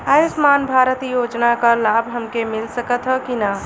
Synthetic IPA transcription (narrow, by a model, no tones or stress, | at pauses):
ajusmaːnbʱaɾət̪jod͡ʒnakəlabʱɦəmkemilsəkət̪ɦəkina